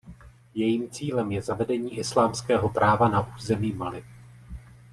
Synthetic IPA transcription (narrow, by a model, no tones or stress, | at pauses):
jɛjiːmt͡siːlɛmjɛzavɛdɛɲiːʔɪslaːmskɛːɦo̞pɾʔaːvanaʔuːzɛmiːmalɪ